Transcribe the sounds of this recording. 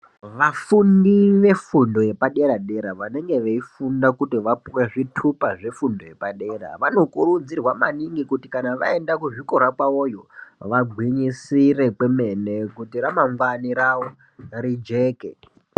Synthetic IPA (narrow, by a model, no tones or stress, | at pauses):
ʋafundiʋe̞fundo̞je̞paɗe̞ɾaɗe̞ɾaʋane̞ŋɡe̞ʋeifundakutiʋapuwe̞ʐitʰupaʐe̞fundo̞je̞paɗe̞ra̰ʋano̞kuɾud͡zirwamaniŋɡikutikanaʋa̰e̞ndakuʐiko̞ɾakwaojoʋaɡʱwiɲisire̞keme̞ne̞kutiramaɱvaniɾaʋo | ɾid͡ʒe̞ːkḛ